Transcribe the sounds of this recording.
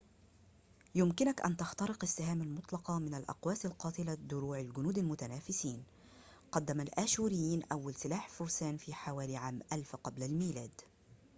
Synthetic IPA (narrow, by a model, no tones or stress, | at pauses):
jʊmkɪnakʔa̰nt̪ɑxt̪ɑɾɪqasːɪhaːmalmʊt̪ˤlɑqɑmɪnalʔɑ̰qwaːsalqɑːt̪ˤɪlad̪ʊɾuːʕalɡʊnuːd̪almʊt̪anaːfɪsiːn | qɑd̪ːamalʔaːʃuːɾɪjːiːnʔawːalsɪlaːħfʊɾsaːnfiːħawaːliʕaːmʔalfqɑblalmiːlaːd̪